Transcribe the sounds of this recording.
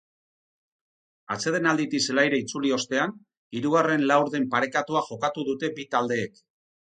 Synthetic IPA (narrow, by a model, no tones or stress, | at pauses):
a̰t͡se̞ð̞e̞nald̪it̪ise̞lajɾeit͡sulio̞st̪e̞an | iɾuɣare̞nlawɾðe̞mpaɾe̞kat̪uaʝo̞kat̪uðut̪e̞bit̪ald̪e̞ːk